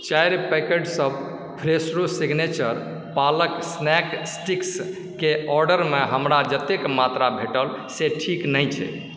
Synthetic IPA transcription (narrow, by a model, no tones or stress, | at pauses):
t͡ʃajɾpɛkeɖsəb | pʰɾesɾosiɡnet͡ʃəɾ | paləksnɛksʈiks | keɔɾɖəɾmeɦəmɾad͡ʒət̪ekmat̪ɾabʱeʈəlseʈʰiknəjt͡ʃʰɛ̰